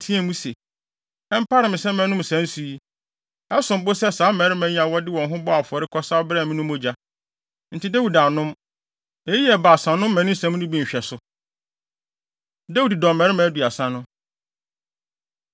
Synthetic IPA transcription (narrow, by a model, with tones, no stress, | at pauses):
tʰĩ˦ɛ˨mũ˦sɛ˨ | ɛ˦m̩˦pʰa˦ɾɪ˨mɪ̃˨sɛ̃˦mɛ̃˨˦nʊ̃˦m˨sæ̃˨˦n˦su˨i˦ | ɛ˦sʊ̃˨m˦bo˦sɛ˦˨saː˨˦mɛ̃˨ɾɪ˦mæ̃˨˦ɲ˦ã˨wɔ˦dɪ˦wɔ̃˨nɦʊ̃˦bɔ˦a˨fʊ˨ɔ˨ɾɪ˦kʰɔ˦sa˦ɔ˦bɾɛː˦˨mĩ˦nʊ̃˦mo˦d͡ʑa˦ | n̩˨tʰɪ˦dæ˦wu˨da˨nʊ̃˦m | ɛ˦i˦ɛ˨ba˨sã˨nʊ̃˦mː˦æ̃˨nʊ̃˦sæ̃˦m˦nʊ̃˦bĩ˨ɕᶣɛ˨sʊ˦ | da˦wu˨ddɔ̃˨mɛ̃˨˦ɾɪ˦mæ̃˨˦du˨a˨sã˦nʊ̃˦